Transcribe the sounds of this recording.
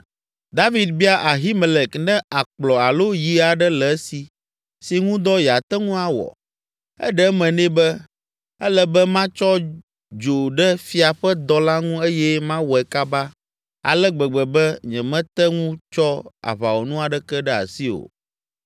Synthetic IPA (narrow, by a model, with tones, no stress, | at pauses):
d̪a˦vi˨d̪̚bi˦a˦ʔa˨ɦi˦me˨lɛ˨knɛ̃˦a˨k͡plɔ˨a˨lo˦ji˨˦a˨ɖɛ˦lɛ˨˦si˨ | si˨ŋũ˦d̪ɔ˦jɛ˨a˨t̪ɛ˦ŋũ˦a˨wɔ̰˨ | ɛ̰˦ɖɛ˦mɛ̃˨nɛ̃˦bɛ˦ | ɛ˦lɛ˦bɛ˦mã˦t͡ʃɔ˦ | d͡ʒo˨ɖɛ˦fi˦a˨ɸɛ˦d̪ɔ˦la˦ŋũ˦e˦jɛ˦mã˦wɔ˨ɛ˨ka˦ba˦ | a̰˨lɛ˦ɡ͡bɛ˨ɡ͡bɛ˨bɛ˦ɲɛ̃˨mɛ̃˦t̪ɛ˦ŋũ˦t͡ʃɔ˦a̰˨βa̰˨wo˨nũ˦a˨ɖɛ˦kɛ˦ɖɛ˦a̰˨si˦o̰˨